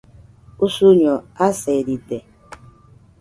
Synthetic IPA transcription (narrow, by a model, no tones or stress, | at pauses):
usuɲɔaseɾide